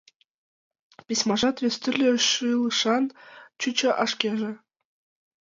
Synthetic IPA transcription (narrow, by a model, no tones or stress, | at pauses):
pʲisʲmɑʐɑt̪ʋʲĕsʲt̪ɘ̆rʲlʲĕʃɯlˠɯʂɑnt͡ɕut͡ɕɘ̆ʔɑʂkʲeʒĕ